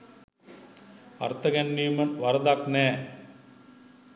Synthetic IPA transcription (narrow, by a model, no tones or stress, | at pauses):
ɐ̰rt̪ɐɡɐnːiːmɐnʋɐɾɐd̪akneː